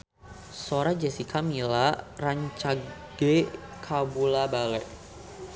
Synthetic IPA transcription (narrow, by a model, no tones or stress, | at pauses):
soɾad͡ʒɛsikamilaraɲt͡ʃaɡ̥ekʰabulabalɛʔ